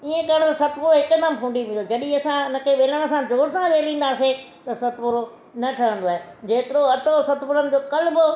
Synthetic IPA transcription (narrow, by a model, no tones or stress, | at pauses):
iẽkɐɾəɽ̃t̪ɐsɐt̪ʰpʊɾoɦɪkd̪ɐmpʰũːɳɖiʋĩːnd̪od͡ʑɐɗĩɐsãnəkʰeʋeːləɽ̃̆sãd͡ʑoːɽsãʋeːlĩːn̆d̪aːset̪ɐsɐt̪ʰpʊɾo | nɐʈʰɐɦə̃nd̪oaːɦed͡ʑeːt̪ɪɾoɐʈʰosɐt̪ʰpʊɾənɪ̆d͡ʑoːkɐlbʊ